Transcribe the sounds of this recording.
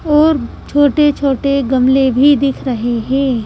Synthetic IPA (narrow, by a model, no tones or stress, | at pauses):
ɔːɾ | t͡ʃʰoːʈet͡ʃʰoːʈeɡɐmlebʱid̪ɪkʰɾɐɦeɦɛ̃ː